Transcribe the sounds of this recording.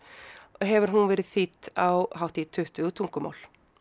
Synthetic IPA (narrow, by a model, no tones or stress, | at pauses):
ɦɛvʏɾ̥ɦunvɛːɾɪðθit̪awhawht̪it̪ʰʏht̪ʏt̪ʰuŋkʏma̰wl̥